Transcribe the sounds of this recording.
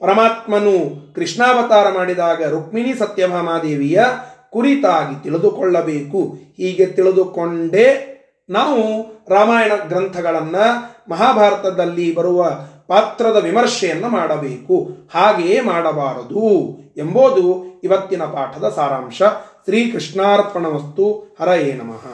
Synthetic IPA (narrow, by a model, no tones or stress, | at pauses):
pɐɾɐmaːt̪mɐnukɾiʂɳaːʋɐt̪aːɾɐmaːɽid̪aːɡɐɾuk̚minisɐt̪jɐbʱaːmaːd̪eːʋijɐkuɾit̪aːɡit̪iɭid̪ukɔɭːɐbeːkuhiːɡe̞t̪iɭid̪ukoɳɖe̞ | naːʋuɾaːmaːjɐɳɐɡɾɐnt̪ʰɐɡɐɭɐnːɐmɐɦaːbʱaːɾɐt̪ɐd̪ɐlːibɐɾuʋɐpaːt̪ɾɐd̪ɐʋimɐɾʂɛjɐnːɐmaːɽɐbeːkuhaːɡeːmaːɽɐbaːɾɐd̪uemboːd̪uiʋɐt̪ːinɐpaːʈʰɐd̪ɐsaːɾaːmʂɐsɾiːkɾiʂɳaːɾɐpɐɳɐʋɐst̪uhɐɾɐjeːnɐmɐ̰ɦɐ